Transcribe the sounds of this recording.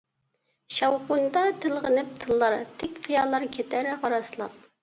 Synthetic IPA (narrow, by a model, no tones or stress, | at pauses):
ʃɑwqʊnd̪ɑt̪ʰɪlˠʁənɪp̚t̪ʰɨlˠːɑɾt̪ʰɪkʲfʰijɑlˠːɑɾkʲʰet̪ʰæɾɪqɑɾɑslˠɑp̚